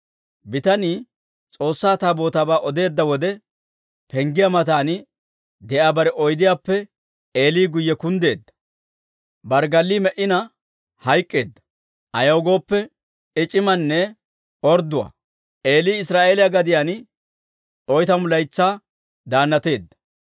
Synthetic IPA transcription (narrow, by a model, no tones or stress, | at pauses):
bɪt̪ɐniː | t͡sʼo̞ːsːaːt̪aːbo̞ːt̪aːbaːʔɔd̪e̞ːd̪ːɐwɔd̪ɛ | pɛŋɡɪjamɐt̪aːnɪ | d̪ɛʔaːbɐɾɛʔɔjd̪ɪjaːpːɛ | e̞ːliːɡʊjːɛkʊnd̪e̞ːd̪ːɐ̥ | bɐɾɡɐlːiːmɛʔɪnɐ | hɐjkʼːeːd̪ːɐ̥ | ʔɐjɐwɡo̞ːpːɛ | ɪt͡ʃʼɪmɐnːɛ | ɔɾd̪ʊwa̰ː | ʔe̞ːliːɪsɾaːʔe̞ːlɪjaɡɐd̪ɪjaːn | ʔɔjt̪ɐmʊlɐjt͡sːaː | d̪aːnːɐt̪e̞ːd̪ːɐ̥